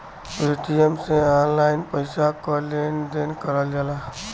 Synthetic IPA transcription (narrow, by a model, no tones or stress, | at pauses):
peʈijəmsẽanlaɪnpəɪsakɔlend̪enkəɾəld͡ʒala